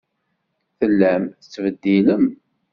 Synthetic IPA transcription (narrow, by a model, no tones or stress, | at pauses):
θəlːæmθət͡sːvəd̪ːiləm